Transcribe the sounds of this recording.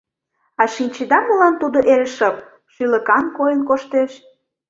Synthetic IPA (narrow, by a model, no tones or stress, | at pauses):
ɑʃinʲt͡ɕed̪ɑməlɑnt̪ud̪oʔeɾəʃɤp̚ | ʃylə̆kɑnkojənkoʃt̪eʃ